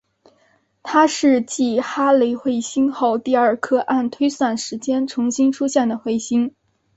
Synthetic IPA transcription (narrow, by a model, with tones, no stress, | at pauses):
t̪ʰa˥ʂɻ̩˥˧t͡ɕi˥˩xa˥le˧˥ɪxwe˥˩ɪɕi˥nxo˥˧ʊt̪i˥˧ə˞˥˩kʰɤ˥ʔa˥˩nt̪ʰwe˥ɪswa˥˩nʂɻ̩˧˥t͡ɕjɛ˥nʈ͡ʂʰʊ˧˥ŋɕi˥ŋʈ͡ʂʰu˥ɕjɛ˥˩nd̪ə˩xwe˥˩ɪɕi˥ŋ